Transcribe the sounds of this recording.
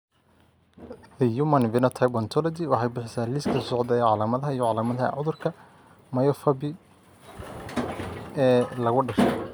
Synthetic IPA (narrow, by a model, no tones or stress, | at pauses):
ðɐjumɐnvɪnɔt̪ʰɐjbɔnt̪ʰɔlɔd̪ɪwɑħɑjbɪħɪsaːliskʰɐsɔʕd̪ɐɛʕɑlaːmɐðɐɦɐijɔʕɑlaːmɐðɐhɐ̰ʕʊðʊrkʰɐ | mɐjɔfɐbɪ | ɛːlɐɣʊɖɐʃɛ